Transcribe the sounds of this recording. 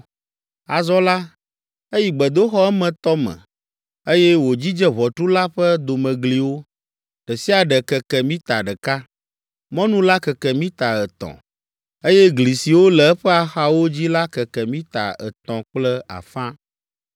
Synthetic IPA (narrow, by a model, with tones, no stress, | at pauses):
a˨zɔ˦la˦ | e˦ji˨ɡ͡bɛ˨d̪o˦xɔ˦ɛ˦mɛ̃˨t̪ɔ˦mɛ̰̃˨ | e˦jɛ˦wo˨d͡ʑi˦d͡ʒɛ˦βɔ˨t̪ɾu˦la˦ɸə˦d̪o˨mɛ̃˨ɡli˨wo˦ | ɖ̥ɛ˨si˦a˨ɖɛ˨kɛ˨kɛ˨mĩ˦t̪a˨ɖɛ˨ka˦ | mɔ̃˦nũ˦la˦kɛ˨kɛ˨mĩ˦t̪a˨ɛ˨t̪ɔ̰̃˨ | e˦jɛ˦ɡli˨si˨wo˦lɛ˨ɛ˦ɸɛ˦a˨xa˦wo˦d͡ʑi˦la˦kɛ˨kɛ˨mĩ˦t̪a̰˨ɛ̰˨t̪ɔ̃˨k͡plɛ˦a̰˨fã˦